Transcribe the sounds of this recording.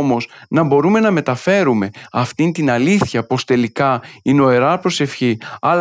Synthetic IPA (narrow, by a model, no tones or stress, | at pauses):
mo̞snɐbo̞ɾume̞nɐme̞t̪ɐfe̞ɾume̞ɐft̪int̪inɐliθçɐpo̞st̪e̞likɐino̞e̞ɾɐpɾo̞se̞fçiɐl